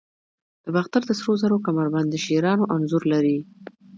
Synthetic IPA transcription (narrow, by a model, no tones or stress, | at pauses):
d̪̥əbaxt̪aɾd̪əsɾozaɾokamaɾband̪əʃeɾɑnoʔanzʊɾlaɾi